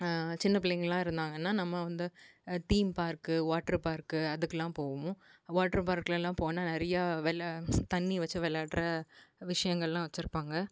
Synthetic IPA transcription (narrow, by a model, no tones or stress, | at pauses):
t͡ʃɪnːɐpɪɭːɛŋɡɐɭlãːɪɾɯnd̪aːŋɡɐnːaːnɐmːɐʋɐnd̪ɯt̪iːmpaːɾkɯʋaːʈːɐɾpaːɾkːɯɐðɯkːɛlːãːpoːɣɐmʊ̃ʋaːʈːɐɾpaːɾkɐlɛlãːpoːnaːnɪɾɐjaːʋɛlt̪ɐnːiʋɐt͡ʃːɯʋɛlaːʈɾɐʋɪʂɐjɐŋɡɐɭlãːʋɐt͡ʃːɪɾɯpːaːŋɡɐ